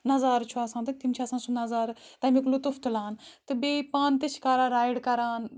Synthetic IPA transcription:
nɐzaːɾt͡ʃʰuaːsãːt̪ɨk̚t̪imt͡ʃʰasãːsunɐzaːɾt̪ɐmiklut̪uft̪ɨlaːnt̪ɨbeːpaːnt̪ɨt͡ʃʰkaːɾaːɾaːjɖkɐɾaːn

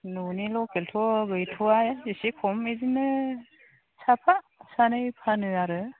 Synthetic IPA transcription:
nunilɔkeltʰɔɡɯjtʰuajzisikʰɔmezinɯ | sapʰa | sanɯjpʰanɯaɾɯ

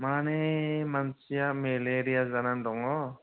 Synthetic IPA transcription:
manɛmansijameleɾijazanandɔŋɔ

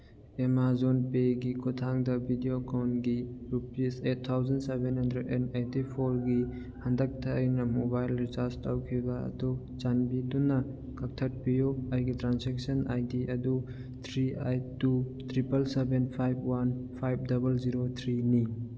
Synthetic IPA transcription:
emazonpeɡikʰutʰaŋdɐbʱidiokawnɡiɾupisetʰtʰːawzɐnsebenhandɾedenetipʰoɾɡi | hɐndɐk̚tʰajnɐmobajlɾitastawkʰibaɐ̰du | t͡ʃanbidunɐ | kɐk̚tʰɐt̚pijoajɡitɾansek̚sɐnajdiʔɐdu | t̪ʰɾiajtutʰɾipɐlsebenpʰajb̚wanpʰajp̚dɐbɐlziɾot̪ʰɾini

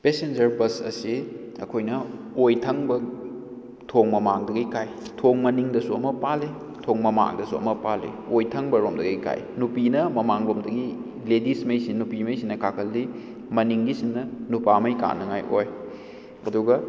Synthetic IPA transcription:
pesend͡ʒɐɾbɐsɐ̰si | ɐ̰kʰojnɐ | ojtʰɐŋbɐ | tʰoŋmɐmaŋdɐɡijkʰajtʰoŋmɐniŋdɐsuɐmɐpale | tʰoŋmɐma̰ŋdɐsuɐ̰mɐpalḛojtʰɐŋbɐɾomdɐɡɐjkʰa̰jnupinɐmɐmaŋɾomdɐɡi | ledismɐjsinupimɐjsinːɐkakʰɐlːi | mɐniŋɡisinːɐnupamɐjka̰nɐŋajʔoj | ɐ̰duɡɐ

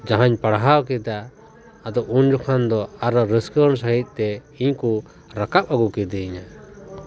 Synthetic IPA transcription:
d͡ʒaɦaɲpaɽaɦawkɛd̪aː | d̪ɔʔund͡ʒɔkʰand̪ɔaɾɔɾəskəɾnsaɦic̪̚ˀt̪ɛ | iɲku | ɾakap̚aɡukɛd̪ɛiɲa

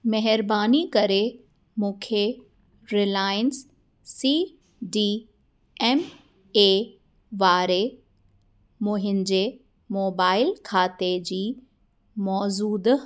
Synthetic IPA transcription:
mɛɦɪɾbaːnikɐɾe | mũːkʰe | ɾɪlaːɪənsː | iː | ɖiː | ɛm | e | ʋaːɾe | mũːɦɪnɪ̆d͡ʑeː | moːbaːɪlkʰaːt̪ed͡ʑiː | mɔːzuːd̪

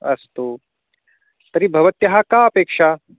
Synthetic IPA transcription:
ɐ̰st̪oː | t̪ɐɾibʱɐʋɐt̪jɐɦakaːɐpeːkʂaː

